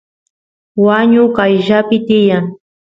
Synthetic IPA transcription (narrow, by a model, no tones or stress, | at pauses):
waɲʊkajʒapɪt̪ɪjaŋ